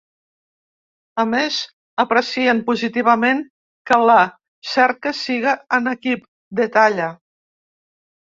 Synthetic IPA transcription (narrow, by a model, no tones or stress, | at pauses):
əmez | əpɾəsiəmpuzit̪iβ̞əmeŋ | kələ | sɛɾkəsiɣiːnəkip̚ | d̪ət̪aʎə